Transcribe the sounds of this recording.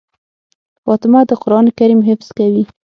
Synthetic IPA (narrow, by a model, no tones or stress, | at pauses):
fɑt̪ɪmad̪əqʊɾɑnekaɾimɦɪfz̥kawi